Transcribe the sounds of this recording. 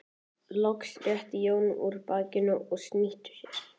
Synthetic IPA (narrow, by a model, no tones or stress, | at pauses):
lɔksɾjɛht̪ɪjoːwnʔuɾpaːcɪnʏʔɔɣsniht̪ʏ̥sjɛɾ̥